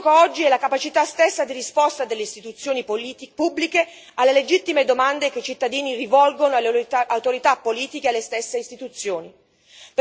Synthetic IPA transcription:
kaɔd͡ʒːiɛlakapat͡ʃit̪ast̪esːad̪irispɔst̪ad̪elːeist̪it̪ut̪sːjoːnippubːlike | alːeled͡ʒit̪ːimed̪omand̪eket͡ʃit̪ːad̪iːnirivɔlɡonoalawt̪oɾit̪apːoliːt̪ikealːest̪esːeist̪it̪ut̪sːjoːni | p

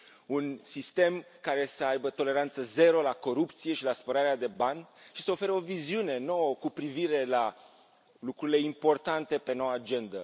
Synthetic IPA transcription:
unsist̪e̞m | kaɾe̞səajbət̪o̞le̞ɾant̪səze̞ɾo̞lako̞ɾup̚t̪sije̞ʃilaspəɾaɾead̪e̞banʲʃisəo̞fe̞ɾəo̞viziune̞no̞wəkupɾiviɾe̞la | lukɾuɾile̞impo̞rt̪ant̪e̞pe̞no̞waːd͡ʒe̞nd̪ə

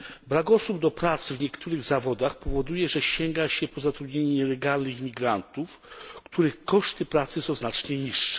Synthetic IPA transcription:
bɾaɡɔsubd̪ɔpɾat̪svɲɛkt̪ʰuɾɘɣzavɔd̪axpɔvɔd̪ujɛʐɛɕɛŋɡaɕɛpɔzat̪ɾud̪ɲeɲɛɲɛlɛɡalnɘxmʲiɡɾant̪ufkt̪uɾɘxkɔʂt̪ɘpɾat̪sɘsɔ̃w̃znat͡ʂɲɛɲiʂːɛ̥

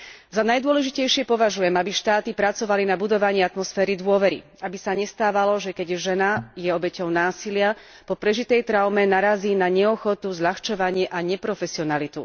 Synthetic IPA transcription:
zanajd̪ʊɔlɛʒicɛjʃɪɛpɔʋaʒujɛmabiʃt̪aːt̪ipɾat͡sɔʋalinabud̪ɔʋaɲɪiat̪mɔsfɛːɾid̪ʊɔʋɛɾḭ | abisaɲɛst̪aːʋalɔʒɛkɛɟʒɛnajɛɔbɛcɔʊnaːsilɪa | pɔpɾɛʒit̪ɛjt̪ɾaʊmɛnaɾaziːnaɲɛɔxɔt̪uzʎaxt͡ʃɔʋaɲɪɛʔaɲɛpɾɔfɛsiɔnalit̪ṵ

